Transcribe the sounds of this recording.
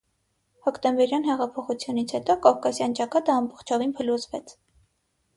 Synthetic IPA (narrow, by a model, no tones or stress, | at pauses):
hɔkt̪ɛmbɛɾjɑn̪hɛʁɑpʰɔχut͡sʰjunit͡sʰhɛt̪ɔkɔvkɑsjɑnt͡ʃɑkɑt̪əɑmbɔχt͡ʃʰɔvinpʰəluzvɛt͡sʰ